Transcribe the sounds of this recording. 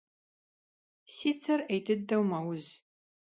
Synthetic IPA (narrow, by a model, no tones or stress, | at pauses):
siːt͡sʰɐrejtʰɨd̚ːɐwmɐwʊz